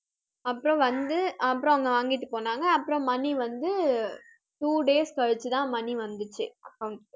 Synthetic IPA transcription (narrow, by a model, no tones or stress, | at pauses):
ɐpːɯɾɔ̃ʋɐnd̪ɯɐpːɯɾɔ̃ɐŋɡɐʋaːŋɡɪʈːɯpoːnaːŋɡɐːpːɯɾɔ̃mɐnːiʋɐnd̪ɯ | ʈuːɖeːskɐɻɯt͡ʃːɯt̪ãːmɐnːiʋɐnd̪ɯt͡ʃːɯɐkɐʊɳʈ